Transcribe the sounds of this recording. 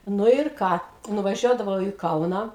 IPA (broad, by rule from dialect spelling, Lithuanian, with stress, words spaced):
ˈnʊ ɪr ˈkɑː nʊʋɐˈʒʲuɔdɐʋɐʊ iː ˈkɐʊnɑː